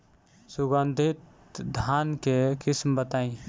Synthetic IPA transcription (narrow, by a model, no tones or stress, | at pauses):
sʊɡənd̪ʱit̪ | d̪ʱankekɪsmbət̪aːĩ